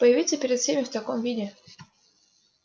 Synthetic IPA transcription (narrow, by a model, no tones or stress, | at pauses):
pəjɪvʲit̪səpʲɪɾʲɪt̪fsʲemʲɪft̪ɐkomvʲidʲɪ